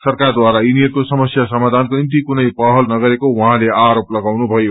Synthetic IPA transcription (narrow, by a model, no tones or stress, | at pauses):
sʌrkard̪waɾainiʌtkosʌmʌsjasʌmad̪ʱankonint̪ikunʌjpʌɦʌlnʌɡʌɾekowʌ̃ɦãleaɾoplʌɡawnubʱʌjo